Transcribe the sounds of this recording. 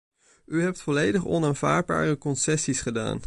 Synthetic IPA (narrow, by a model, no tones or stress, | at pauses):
yɦɛp̚tfɔlejdəχɔ̰naːnv̥a̰ːɹd̚ba̰ːrəkɔnsɛsisχəda̰ːn